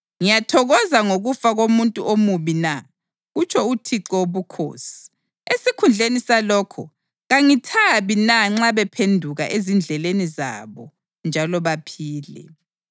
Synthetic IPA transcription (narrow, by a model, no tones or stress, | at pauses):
ŋijatʰɔɣɔzaŋoɣufaɣomuntʼṵʔomuβina | ɣut͡ʃʰɔutʰiǁɔβukʰo̰ːsi̥ | esikʰund͡ɮʱenisalɔːkʰɔ̰ | ɣaŋitʰaβinaŋ͡ǁaβɛpʰendʱuɣa̰ʔezind͡ɮʱɛleniza̰βɔ | nd͡ʒʱalɔβapʰiːlɛ̰